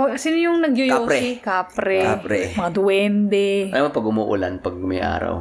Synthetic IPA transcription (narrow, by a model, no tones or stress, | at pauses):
osɪnjʊŋnɐɡjʊjaoɾsɛikaːpɾɛapɾɛmɐŋad̪ʊwɛnd̪ɛʔamɐpɐɡʊmuːʔʊ̰lanpɐɡ̚mɐjʔa̰ːɾɐ̰w